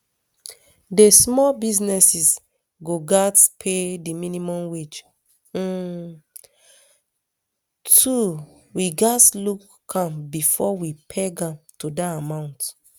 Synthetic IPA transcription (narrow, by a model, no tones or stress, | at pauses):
desmɔbiznɛsis | ɡoɡatpʰediminimɔ̃mwet͡ʃ̩ | tʰu | wiɡatlukː | ãmbifɔwipʰeɡãmtudaamãʊ̃nt